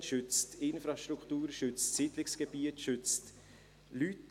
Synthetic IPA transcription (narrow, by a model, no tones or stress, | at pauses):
ʃʏt͡stɪnfɾɑʃt̪ɾuktuːɾʃʏt͡stsidlɪksɡ̥ɛbiətʃʏt͡st | lyt